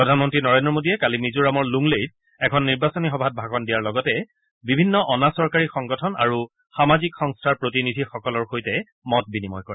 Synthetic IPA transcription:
pɹɔdʱanmɔntɹinɔɹendɹɔmodiɛkalimizuɹamɔɹluŋlejt̚ | ɛkʰɔnːiɹbasɔnixɔbʱat̚bʱaɡɔndijaɹlɔɡɔtɛ | bibʱinːɔʔɔnasɔɹkaɹixɔŋɡɔtʰɔna̰ɹu | xamazikxɔŋstʰaɹpɹotinidʱixɔkɔlɔɹxojtɛ | mɔt̚binimɔjkɔɹɛɛ

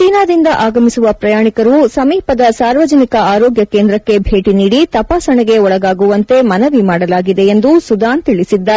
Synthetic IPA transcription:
t͡ʃiːnaːd̪ind̪ɐʔaːɡɐmisuʋɐpɾɐjaːɳikɐɾusɐmiːpɐd̪ɐsaːɾʋɐd͡ʒɐnikɐaːɾoːɡjɐkːeːnd̪ɾɐkːe̞bʱe̞ːʈiniːɽit̪ɐpaːsɐɳɛɡe̞ɔɭɐɡaːɡuʋɐnt̪e̞mɐnɐʋimaːɽɐlaːɡid̪e̞end̪usud̪aːɳt̪iɭisid̪ːaː

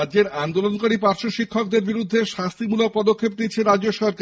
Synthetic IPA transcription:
add͡ʑeɾand̪olonkoɾipaɾʃoʃikʰːok̚d̪eɾbiɾud̪ʱːeʃast̪ʰimulok̚pɔd̪okʰːep̚d̪itːɕʰeɾadd͡ʑoʃɔɾka

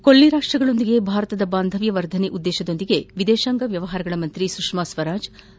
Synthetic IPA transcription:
kolːiɾaːʂʈɾɐɡɐɭo̞nd̪iɡe̞bʱaːɾɐt̪ɐd̪ɐbaːnd̪ʱɐʋjɐʋɐɾd̪ʱɐneʔud̪ːɛːʃɐd̪o̞nd̪iɡe̞ʋid̪eːʃɐŋɡɐʋjɐʋɐɦaːɾɐɡɐɭɐmɐnt̪ɾisukʂmasʋɐɾaːd͡ʒ

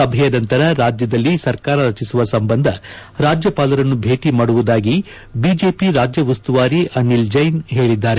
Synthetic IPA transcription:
ɐbʱɛjɐnɐnt̪ɐɾɐɾaːd͡ʒjɐd̪ɐlːisɐɾkaːɾɐɾɐt͡ʃisuʋɐsɐmbɐnd̪ʱɐ | ɾaːd͡ʒjɐpaːlɐɾɐnːubʱe̞ːʈimaːɽuʋud̪aːɡi | bid͡ʒe̞ːpiɾaːd͡ʒjɐʋɐst̪uʋaːɾiʔɐnild͡ʒɐjnɦe̞ːɭid̪ːaːɾe

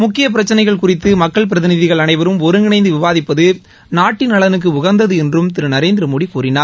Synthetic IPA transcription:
mʊkːɪjɐp̬ɪɾɐt͡ʃːɐnɐɪɣɐɭkʊrɪt̪ːɯmɐkːɐɭp̬ɪɾɐðɪnɪðɪɣɐɭɐnɐɪʋɐɾɯmɔɾɯnɪnɐɪnd̪ɯʋɪʋaːðɪpːɐðɯ | naːʈːɪnɐɭɐnɯk̬ːɯʊɣɐɾnd̪ɐðɯɛndrɯmt̪ɪɾɯnɐɾeːnd̪ɪɾɯmoːɽikuːɾɪnaːɾ

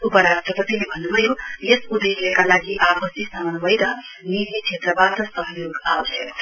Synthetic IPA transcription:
upʌɾad̪rʌpʌt̪ilebʱʌnːubʱʌjojesud̪eslekalaɡiʔapʌsisamʌnbʌjɾʌniɦit͡ʃʰet̪rʌbat̪ʌsʌɦʌjoɡawt͡sʰʌ

